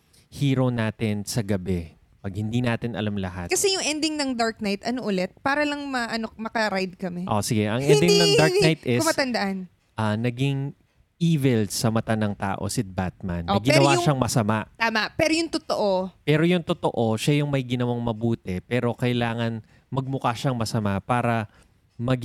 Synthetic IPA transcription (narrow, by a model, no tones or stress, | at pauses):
hiːɾonaːt̪ɪnsɐɡɐbɛ | pɐɡ̚hɪnd̪inaːt̪ɪnʔɐ̰lamlɐha̰t̪kɐsɛjʊŋʔɛnd̪ɪŋnɐŋd̪aɹk̚najt̪ʔɐnoʔʊlɛt̪̚paːɾɐlɐŋmɐʔɐnomɐkɐɾajd̪̚kɐmɛʔosɪɡɛʔɐŋʔɛnd̪ɪŋnɐŋd̪aɹk̪ajt̪ʔɛsmɐt̪ɐnd̪ɐʔan | ʔɐnɐɡɪŋ | ʔiːvɛlsɐmɐt̪anɐŋt̪a̰ːʔo̰sɪd̪̚bat̪̚ma̰nːɡɪɛnɐwwaʃaŋmɐsɐmaʔt̪aːmɐʔpɛːɾojʊŋt̪ot̪oʔopɛːɾojʊŋt̪ot̪oʔo̞ʃajʊŋmɐjɡɪnɐwaŋmɐbuːt̪ɛpɛːɾo̞kɐjlaːŋɐn | mɐɡ̚mʊkaʃɐŋmɐsɐmapaːɾɐ | mɐɡ